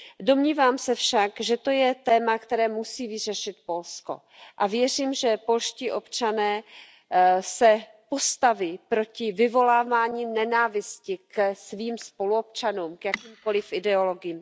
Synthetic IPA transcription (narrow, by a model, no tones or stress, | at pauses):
do̞mɲiːvaːmsɛfʃakʒɛt̪o̞jɛt̪ɛːmakt̪ɛɾɛːmusiːvɪr̝ɛʃɪt̪̚po̞lsko̞̰ | ʔavjɛr̝iːmʒɛpo̞lʃciːʔo̞pt͡ʃanɛː | sɛ | po̞st̪aviːpɾo̞cɪvɪvo̞laːvaːɲiːnɛnaːvɪscɪksviːmspo̞luop̚t͡ʃanuːmkjakiːmko̞lɪfʔɪdɛo̞lo̞ɡɪjiːm